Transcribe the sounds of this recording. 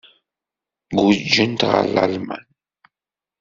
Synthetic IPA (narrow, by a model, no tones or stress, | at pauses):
ɡud͡ʒːənt̪ʁa̰lalma̰n